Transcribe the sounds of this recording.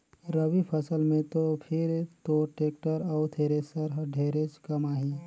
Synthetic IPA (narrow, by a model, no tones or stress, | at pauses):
ɾəʋipʰəsəlmẽt̪opʰɪɾt̪oʈeːk̚ʈəɾɔːʊt̪ʰeːɾesəɾɦɖʱeːɾet͡ʃkɐmaːɦi